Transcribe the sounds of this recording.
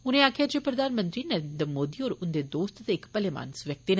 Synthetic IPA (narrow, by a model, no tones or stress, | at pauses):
ʊnẽaːkʰjaːd͡ʒeːpɾəd̪ʱaːnmə̃nt̪ɾinəɾeːnd̪ɾmoːd̪iːɔːɾʊnd̪ed̪oːst̪t̪eɪkpəlema̰ːnsʋjək̚t̪in